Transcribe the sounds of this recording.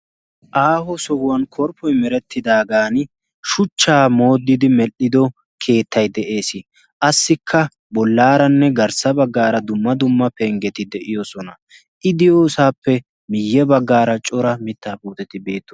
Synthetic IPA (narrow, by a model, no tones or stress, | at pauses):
ʔaːɦɔsɔɡʊwɐnkʰɔɾpʰːɔjmɛɾɛt̪ʰːɪd̪aːɡaːn | ʃʊt͡ʃːaːmo̞ːd̪ːɪd̪ɪmɛlːɪd̪ɔ | kʰe̞ːt̪ːɐjd̪ɛʔe̞ːsɪ | ʔɐsːɪkʰːɐ | bɔlːaːɾɐnːɛɡɐɾsɐbɐɡːaːɾɐd̪ʊmːɐd̪ʊmːɐpeŋɡɛt̪ɪd̪ɛʔɪjɔsɔnɐ | ʔɪd̪ɪjoːsaːpːɛ | mɪjːɛbɐɡːaːɾɐt͡ʃʼɔɾɐmɪt̪ːaːpuːt̪ɛt̪ɪbe̞ːt̪ːɔ